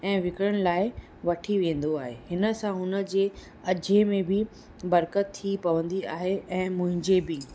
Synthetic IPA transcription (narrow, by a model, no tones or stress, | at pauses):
ɛ̃ːʋɪkɽəɽ̃̆laːɪ | ʋɐʈʰiʋẽːn̆d̪oaːɦehɪnə̆sãɦʊnə̆d͡ʑeː | ɐd͡ʑemẽbɪ | bɐɾkət̪ʰːipɐʋə̃nd̪iaːɦeʔɛ̃ːmʊ̃ɦɪ̃ɲd͡ʑebɪ